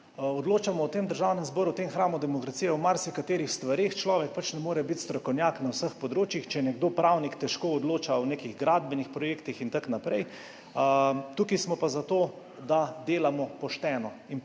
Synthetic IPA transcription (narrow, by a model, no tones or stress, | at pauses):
ɔd̪loːt͡ʃamɔɔt̪eːmd̪əɾʒawnɛmzbɔːɾuwt̪emxɾaːmud̪ɛmɔkɾasijɛwmaɾsikat̪eːɾixst̪ʋaɾeːxt͡ʃlɔːʋɛk̚pat͡ʃnɛmoːɾɛbit̪st̪ɾɔkɔwnjaknawsəxpɔd̪ɾoːt͡ʃjixt͡ʃɛjnɛɡd̪oːpɾawnikt̪ɛʃkoːd̪loːt͡ʃaɔnekiɣɡɾad̪̚bɛnixpɾɔjeːkt̪ixint̪aknapɾɛj | t̪uːkismɔpazat̪oː | d̪ad̪eːlamɔpɔʃt̪ɛːnɔin